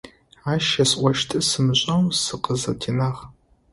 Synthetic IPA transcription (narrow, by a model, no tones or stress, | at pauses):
aːʃɐsʔʷɔʃtʰɨsɨmɨɕʼɐwsɨqəzɐ̰tʰinaːʁ